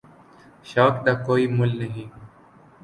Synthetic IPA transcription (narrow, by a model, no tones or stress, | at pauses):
ʃaːkɗ̪aːkoːiːmʊlnəɦĩː